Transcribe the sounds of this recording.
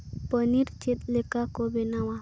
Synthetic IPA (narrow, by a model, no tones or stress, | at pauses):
pəniɾt͡ʃet̪̚lekakobenawa